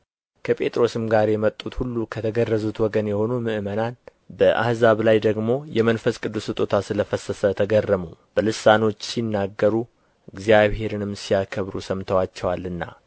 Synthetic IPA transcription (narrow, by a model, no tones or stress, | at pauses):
kʰəpʼe̞t̪ʼɾo̞sɨmɡaɾjɛmət̪ʼːut̪hulːukʰət̪ʰəɡərːəzut̪wɔɡənjɛho̞numɨʔɨmənal | bəʔa̰hzaβlajd̪əɡmo̞jɛmənfəskʼɨd̪ːusɨt̪ʼot̪ʰasɨləfəsəsət̪ʰəɡərːəmub̥əlɨsano̞t͡ʃːsinːaɡːəɾu | ɨɡzijaβhe̞ɾɨnɨmsijakʰəβɾṵsəmt̪ʰəwat͡ʃːɛwalːɨnːa̰